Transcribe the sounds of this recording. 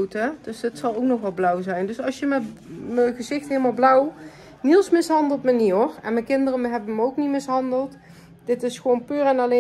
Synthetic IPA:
təd̥øsdətsɑlˠowknɔxʋɑlˠblʌwzɛjndɵsɑsjəmɛməɣəzɪxtɦeːəlˠmaːlˠblʌw | nilˠsmɪsɦɑndəlˠtməniɔrɛnməkɪndərəɦɛbəməowknimɪsɦɑndəlˠt | d̥ɪtɪsxʋownpyːrɛnɑle

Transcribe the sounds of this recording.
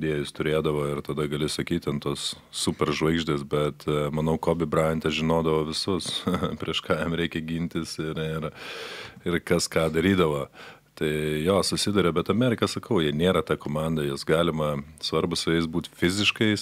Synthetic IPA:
d̪ʲeːjɪst̪ʊɾʲeːd̪ɐʋoːɪrt̪ɐd̪ɐɡɐlʲɪsɐkʲiːt̪ʲɐnt̪oːs | sʊpʲɛrʒʋɐɪɡʒʲd̪ʲeːsbʲɛt̪mɐnɐʊkoːbʲɪbrɐɪnʲt̪ʲɛʒʲɪnoːd̪ɐʋoːʋʲɪsʊspʲɾʲiɛʃkɑːjɛmɾʲɛɪkʲɛɡʲinʲt̪ʲɪsɪɾɪr | ɪrkɐskɑːd̪ɐɾʲiːd̪ɐʋoː | t̪ɐɪjoːsʊsʲɪd̪ʊɾʲɛbʲɛt̪ɐmʲɛːɾʲɪkɐsɐkɐʊjiɛnʲeːɾɐt̪ɑːkoːmɑnd̪ɐjosɡɑːlʲɪmɐsʋɐɾbʊsʲɛɪsbuːt̪fʲɪzʲɪʃkɐɪ

